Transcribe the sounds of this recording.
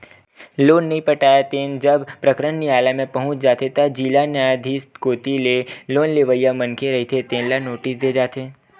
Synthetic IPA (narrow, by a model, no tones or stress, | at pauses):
loːnːɐɦĩpəʈaːjat̪eːnd͡ʒəbpɾəkɾənːiaːlamẽpɐɦʊ̃t͡ʃd͡ʒaːt̪ʰet̪ɐd͡ʒiːlanjaːjd̪ʱiskoːt̪ileloːnleʋəjamənkʰeɾɐɦit̪ʰet̪ẽːnlanoːʈɪsd̪ed͡ʒaːt̪ʰeː